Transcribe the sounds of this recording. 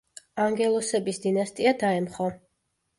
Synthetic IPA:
aŋɡɛlˠɔsɛbisd̪inast̪ʼiad̪aɛmχɔ

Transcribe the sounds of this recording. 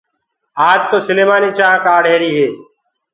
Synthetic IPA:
aːd͡ʒ̚t̪oːsəleːmaːniːt͡ʃaːãːkaːɽɦeːɾiːɦeː

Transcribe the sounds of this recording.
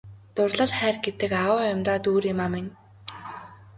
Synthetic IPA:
t̪ʊrɮə̆ɮχæːrɡet̪ɘ̆kawəːjʊmt̪aːt̪uːɾjɪmaːmɪnʲ

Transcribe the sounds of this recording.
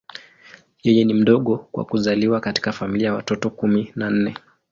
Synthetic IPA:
jɛjɛnim̩ɗɔɠɔkwa̰kuzaliwakati̥kafamiliajawa̰tɔtɔkuminan̩nɛ

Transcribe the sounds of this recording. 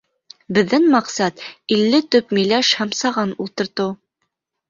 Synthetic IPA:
bɘ̆ðːæŋmɑqsɑt̪ilːɘt̪ɵpmĭjlæʃhæmsɑʁɑnulˠt̪ɤ̆ɾt̪ɤ

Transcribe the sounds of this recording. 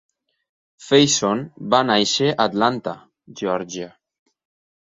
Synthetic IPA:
fejsonbanajʃeʔat̪lant̪a | ʒeɔɾʒia

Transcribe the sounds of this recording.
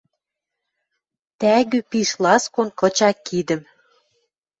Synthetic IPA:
t̪æɣypiʃlɑskonkɤ̆t͡ɕɑkːid̪ə̆m

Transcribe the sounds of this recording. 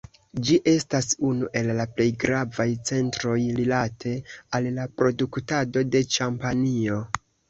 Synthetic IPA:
d͡ʒiʔe̞stasunuʔe̞lːaple̞jɡɾavajt͡se̞ntɾo̞jɾilatʰe̞allapɾo̞duktado̞de̞t͡ʃampanio̞

